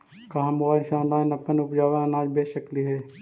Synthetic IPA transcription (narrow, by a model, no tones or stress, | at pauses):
kaɦãmaːɾsãːnaːnɐpənʊpd͡ʒaːʋənaːd͡ʒbeːʃəkliɦɛː